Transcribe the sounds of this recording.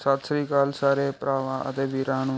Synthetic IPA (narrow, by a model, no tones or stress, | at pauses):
saːt̪sɾiːkaːlsaːɾeːpɾaːʋãːʔə̰t̪eːbiːɾãːnũː